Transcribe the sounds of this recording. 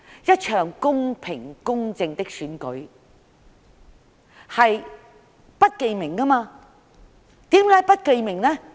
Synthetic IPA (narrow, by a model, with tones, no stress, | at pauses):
jɐ˥t̚t͡ʃʰœː˨˩ŋkʊ˥ŋpʰɪ˨˩ŋkʊ˥ŋt͡sɪ˧ŋt̪ɪ˥k̚syː˨˥nkɵ˨˥ɥ | hɐ˨j | pɐ˥t̚ke˨˧jmɪ˨˩ŋkɐ˥maː˧ | t̪iː˨˥mkaː˨˥jpɐ˥t̚ke˨˧jmɪ˨˩ŋnɛ˥